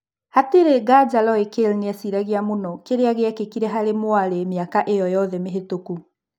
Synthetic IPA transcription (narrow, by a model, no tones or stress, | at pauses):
hateɾeɣad͡ʒalɔekelneasiɾaɣiamonɔkeɾeaɣeɛkekiɾɛɦaɾemwaɾemeakaʔejɔjɔðɛmeɦetoku